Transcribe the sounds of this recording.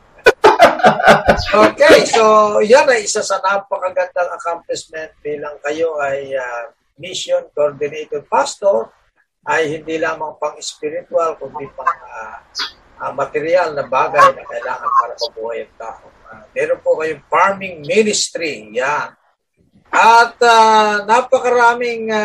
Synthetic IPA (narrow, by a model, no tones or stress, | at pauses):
ʔoːkɛjso̞janɐjʔɪsasɐnapɐkɐɡɐnd̪aŋɐkamplɛsmɛnt̪̚biːlɐŋkɐjo̞ʔɐja | misjonkoɹd̪ɪnejt̪od̪̚past̪oɹ | ʔɐjhɪnd̪ilaːmɐŋpɐŋɪspɪɾɪt̪ʊalkʊnd̪ipɐŋa | ʔamɐt̪ɛɾɪalnɐbaːɡɐjnɐkɐʔɪlaːŋɐnpaːɾɐpɐbuːhɐjɐnt̪aʔo | amɛːɾonpokɐjoŋfaɹmɪŋmɪnɪst̪ɾijan | ʔɐt̪anapɐkɐɾaːmɪŋ